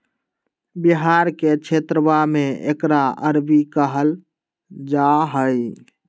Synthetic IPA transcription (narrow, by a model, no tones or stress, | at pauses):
biɦaɾket͡ʃʰet̪ɾəbameḛkɾaəɾbikəɦəl | d͡ʒaɦəj